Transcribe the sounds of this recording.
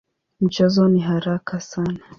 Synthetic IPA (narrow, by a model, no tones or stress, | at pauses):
m̩t͡ʃɛzɔniɦaɾakʰasana